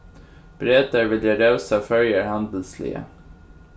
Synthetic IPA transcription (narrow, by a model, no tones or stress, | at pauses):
b̥ɾeːd̪əɾʋɪljəɾœʉsafœljəɹhɑnd̪l̩slɪ̰ə̰